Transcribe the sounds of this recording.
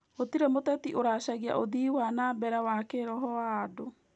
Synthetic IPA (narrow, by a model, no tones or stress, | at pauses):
ot̪iɾemotɛtiʔoɾaɕaɣia̰ʔoðiːwanabɛɾawakeɾɔɦɔwaːdo